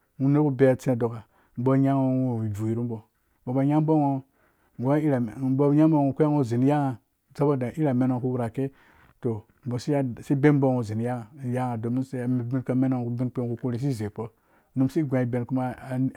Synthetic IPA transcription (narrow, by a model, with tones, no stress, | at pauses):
ŋu˦ne˦ku˦be˨a˨t͡sẽ˦˨do˨ka˨ | m̩˦bo˦ɲa˦ŋo˦o˨wi˨vu˨ji˨ɾu˦mbo˨ | bo˨bo˨ɲa˦m˦bo˦ŋo˦ | ŋ˨ɡo˦i˦ɾa˨˦bo˦ja˦mbo˦ŋo˨ku˦a˦ŋo˦zi˨n˦ja˦ŋa˨ | za˦bo˦da˨ʔi˦ɾa˨me˦no˨ŋ˨ku˦wu˦ɾa˨ke˦ | to˨ | m̩˨bo˨si˦a˦˨si˦be˦m˦bo˦ŋo˨zi˨n˦ja˦ŋa˨ja˦ŋa˨do˨mi˦se˨me˨bi˦nka˨me˦no˨ŋku˨bi˦nk͡pe˦ŋku˨ku˦ɾi˨s̬i˦˨ze˨po˦ | nu˨msi˦ɡʷã˨i˨be˨nku˦ma˦˨˦